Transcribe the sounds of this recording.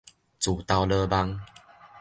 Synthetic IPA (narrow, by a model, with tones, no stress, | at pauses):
t͡su˨˩t̪a˧wlə˧ba˧ŋ